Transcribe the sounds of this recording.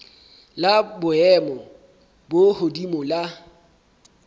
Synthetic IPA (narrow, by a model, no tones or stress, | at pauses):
labʊɛmɔ | bohodimʊla